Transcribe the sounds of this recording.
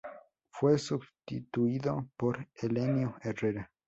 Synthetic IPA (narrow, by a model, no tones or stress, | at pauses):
fwesubst̪it̪uiðopoɾelenjoereɾa